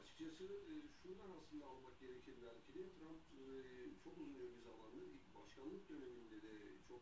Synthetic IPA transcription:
at͡ʃʰɯ̥k̚t͡ʃʰasɯːʃund̪anasɯnd̪aːlˠmak̚ɟe̞ɾecʰiɾd̪ælʲcʰilʲit̪ʰɾamp | t͡ʃʰo̞kuzunjobizalˠand̪ɯibaʃkʰanlˠɯk̚d̪ø̞ne̞mind̪ed̪ɛt͡ʃʰo̞k

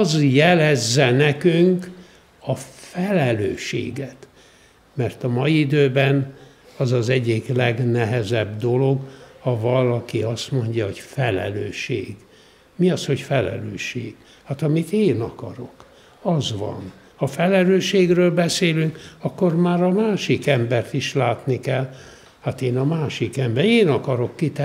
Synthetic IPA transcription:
zjɛlɛzːɛnɛkyŋk | ɒfɛlɛløːʃḛːɡɛt̪ | mɛrt̪ɒmɒjiid̪øːbɛn | ɒzɒzɛɟːiklɛɡnɛɦɛzɛbd̪o̞lo̞ɡhɒvɒlɒkiɒst̪mo̞ɲɟɒɦo̞cfɛlɛ̰løːʃḛːɡ | miɒsho̞cfɛlɛ̰lø̰ːʃeːɡ̥ | hat̪ɒmit̪eːnɒkɒ̰ɾo̞k | ɒzʋɒ̰n | hɒfɛlɛløːʃeːɡrøːlbɛseːlyŋkɒkːormaːɾɒmaːʃikɛmbɛrt̪iʃlaːt̪nikɛlː | hat̪eːnɒmaːʃikɛmbɛneːnɒkɒɾo̞kːit̪ɛ

